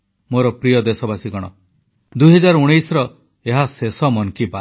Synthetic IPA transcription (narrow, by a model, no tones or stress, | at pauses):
moɾɔpɾijɔd̪esɔbasiɡɔɽ̃ɔ | d̪ujɦɔd͡ʒaɾɔuɽ̃ejsɾɔ | eɦasesɔmɔnkiba